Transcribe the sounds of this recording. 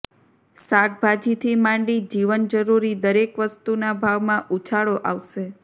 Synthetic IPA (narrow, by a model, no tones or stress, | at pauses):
sak̚bʱad͡ʒit̪ʰimãɳɖid͡ʒiʋənd͡ʒəɾuɾid̪əɾekʋəst̪unabʱaʋmãʔut͡ʃʰaɭoʔaʋʃe